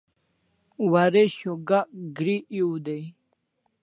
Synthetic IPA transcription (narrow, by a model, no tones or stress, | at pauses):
waɾeɕoɡaɡɾiʔiud̪ej